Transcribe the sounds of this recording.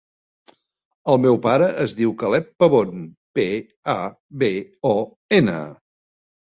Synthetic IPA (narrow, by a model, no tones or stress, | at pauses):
əlˠmewpaɾəʔəzðiwkəlɛpːəβon | pe | a | βeɔ | enə̰